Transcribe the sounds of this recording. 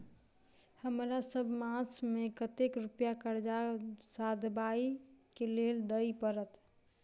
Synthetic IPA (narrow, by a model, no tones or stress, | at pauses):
həmɾasəbʱmãt͡ʃʰmekət̪ekɾupjakəɾd͡ʒasad̪ʱbaikeleld̪əjpəɾət̪